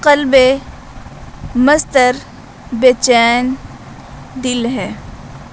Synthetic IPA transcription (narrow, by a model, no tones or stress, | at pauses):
qəlbe | məst̪əɾ | beːt͡ʃɛːn | d̪ɪlɦɛ̃ː